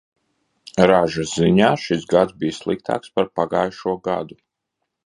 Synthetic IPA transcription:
ɾaʒasziɲaːʃisɡad̪zbijslˠik̚t̪ʰa̰ːkspaɾpaɡaːjʃuɔɡa̰d̪u

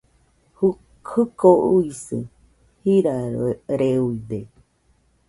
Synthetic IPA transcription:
h | hɨkouisɨ̰ | hiɾaɾeɾeuid̪e

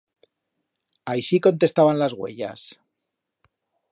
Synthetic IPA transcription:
ajʃiko̞nt̪e̞st̪aβanlazɣwe̞̰ʎa̰s

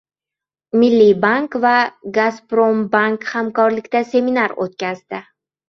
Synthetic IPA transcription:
mɪlːibaŋkvaɡaspɾombaŋkhamkɒɾlɪkʲt̪ase̞minaɾo̰t̪̚kʲazd̪ɪ

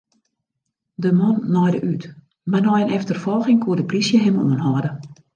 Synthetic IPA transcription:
dəmɔnːɔjdəʔyt | marnɔjənɛftərfɔlˠxɪŋkʰuədəprisjəɦɪmṵənɦɔdə

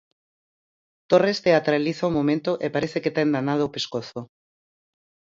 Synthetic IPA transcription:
t̪orest̪eat̪ɾaliθaumomẽnt̪oʔepaɾeθeket̪aend̪anað̞oːpeskoθo

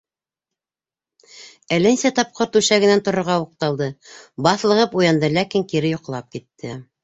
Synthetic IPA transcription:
ælɘnsæt̪ɑp̚qɤɾt̪ʉʃæɡɘ̆nænt̪ŏɾŏɾʁɑuq̚t̪ɑlˠd̪ɤbɑθlˠɤ̆ʁɤpujɑnd̪ɤlækiŋkiɾɘjŏqlˠɑp̚kit̪ːɘ

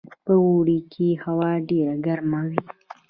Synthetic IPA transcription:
pəwoɽikʰehawɑɖeɾaɡaɾmawi

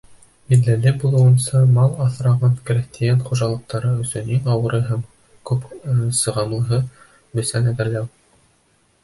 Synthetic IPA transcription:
biðːælɘbulˠɤ̆wɤ̆nsɑmɑlˠɑθɾɑʁɑnkɘ̆ɾækt̪ʰijænχuʒɑlˠɤ̆q̚t̪ɑɾɤɵ̆sɵniŋɑwɤ̆ɾɤɦæm | kʉpsɤ̆ʁɑnŭɦɤ | bɵ̆sænæðɘ̆ɾlæw

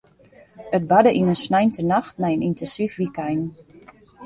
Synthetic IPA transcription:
ət̚badəʔinənsnɛjntənaxtnɛjənintɛnsifʋikɛjn

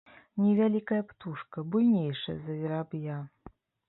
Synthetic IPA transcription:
nʲɛvʲalʲikɐjɐpt̪uʂkɐbujʲnʲejʂɐ̰zɐvʲiɾabja

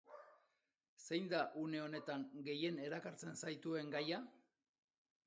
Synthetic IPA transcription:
se̞jnd̪aʔune̞o̞ne̞t̪aŋɡe̞je̞ne̞ɾakaɾt͡se̞nsajt̪ue̞ŋɡaja

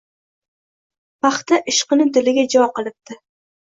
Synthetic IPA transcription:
pɑχt̪aʔɪʃqɨnɪd̪ɪlɪɡʲad͡ʒɒqɨlˠɪp̚t̪ɪ

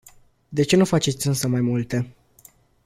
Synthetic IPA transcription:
d̪e̞t͡ʃe̞nufat͡ʃe̞t̪sʲɨnsəmajmult̪e̞

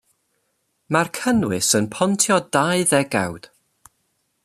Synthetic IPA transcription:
markʰənwɪsənpʰɔntʰjɔdaɨðɛɡa̰wd̥

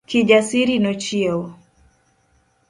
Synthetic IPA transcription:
kiʄasiɾinɔt͡ʃiɛɔ

